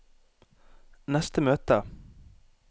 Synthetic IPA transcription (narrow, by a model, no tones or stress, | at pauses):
nɛst̪əmøːt̪ə